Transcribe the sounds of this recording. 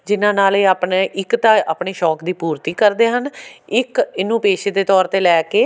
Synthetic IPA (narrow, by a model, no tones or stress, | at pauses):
d͡ʒɪnãːnaːleːaːpneːʔɪkt̪ãːaːpɳeːʃɔːkd̪iːpuːɾt̪iːkəɾd̪eːɦənɪkɪnũːpeːʃeːd̪eːt̪ɔːɾt̪eːlɛːkeː